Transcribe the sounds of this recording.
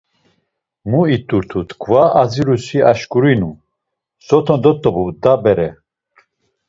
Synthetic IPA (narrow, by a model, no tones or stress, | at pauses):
muit̪ʼuɾt̪ʰut̪ʰkʰvaad͡ziɾusiaʃkʼuɾinu | sɔt̪ʰɔnd̪ɔt̪ʼɔbud̪abɛɾɛ